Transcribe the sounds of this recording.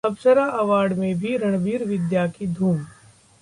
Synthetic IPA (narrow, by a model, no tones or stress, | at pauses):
ɐbsəɾaʔɐʋaːɖmẽbʱiɾɐɽ̃biːɾʋɪd̪jaːkid̪ʱuːm